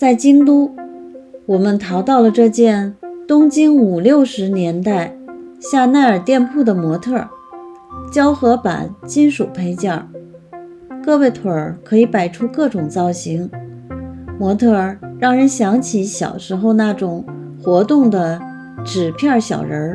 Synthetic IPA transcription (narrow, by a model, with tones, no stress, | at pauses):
t͡sa˥˩ɪt͡ɕi˥ŋt̪u˥ | wɔ˨˩mə˦nt̪ʰɑ˧˥ʊt̪ɑ˥˩ʊlə˩ʈ͡ʂɤ˥˧t͡ɕjɛ˥˩nt̪ʊ˥ŋt͡ɕi˥ŋu˨˩ljo˥˩ʊʂɻ̩˧˥njɛ˧˥nt̪a˥˩ɪɕja˥˧na˥˩ɪə˞˨˩t̪jɛ˥˧npʰu˥˩d̪ə˩mwɔ˧˥t̪ʰɤ˥˩ | t͡ɕjɑ˥ʊxɤ˧˥pa̰˨˩˦nt͡ɕi˥nʂu˨˩pʰe˥ɪt͡ɕjɑ˥˩ | kɤ˥˧we˥˩ɪt̪ʰu˧˥ə˞˨˧˩kʰɤ˧˥i˧˥pa˨˩ɪʈ͡ʂʰu˥kɤ˥˩ʈ͡ʂʊ˨˩ŋt͡sɑ˥˩ʊɕi˧˥ŋ | mwɔ˧˥t̪ʰɤ˥˩ɻɑ˥˩ŋɻə˧˥nɕjɑ˧˥ŋt͡ɕʰi˧˥ɕjɑ̰˨˩ʊʂɻ̩˧˥xo˥˧ʊna˥˩ʈ͡ʂʊ˨˩ŋ | xwɔ˧˥t̪ʊ˥˩ŋd̪ə˩ | ʈ͡ʂɻ̩˨˩pʰjɑ˥˩ɕjɑ̰˨˩ʊɻə˧˥